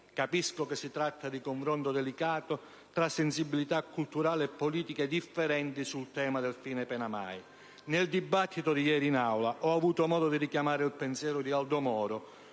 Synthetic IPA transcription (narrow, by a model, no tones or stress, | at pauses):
kapiskokesːit̪ɾat̪ːad̪ikoɱfɾont̪od̪ɛlikaːt̪o | t̪ɾasːɪnsibːilit̪akːult̪uɾaːlɪɛpːoliːt̪iked̪ifːɛɾɛnt̪isult̪ɛːmad̪elfiːnepɛnama̰j | nɪld̪ibat̪ʰːit̪ʊd̪ijɛːɾiːnawlaʔɔavuːt̪omɔːd̪od̪iɾikjamaːɾɪilpensjɛːɾʊd̪iald̪omɔːɾʊ